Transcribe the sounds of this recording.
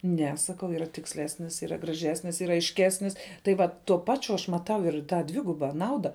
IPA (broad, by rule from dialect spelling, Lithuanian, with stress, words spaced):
ˈnʲɛ sɐˈkɐʊ iːˈrɐ tʲɪksʲˈlʲæːsʲnʲɪs iːˈrɐ ɡrɐˈʒʲæːsʲnʲɪs iːˈrɐ ɐɪʃʲˈkʲæːsʲnʲɪs tɐɪ ˈʋɐt tuɔ ˈpɑːt͡ʃʲʊ ɐʃ mɐˈtɐʊ ɪr ˈtɑː ˈdʲʋʲɪɡʊbɐ ˈnɐʊdɐ